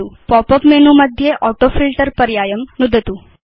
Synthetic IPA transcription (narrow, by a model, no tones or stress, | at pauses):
upɔpəpmenũməd̪ʱjeʔɔʈofilʈəɾpəɾjajəmnʊd̪ʱət̪ũ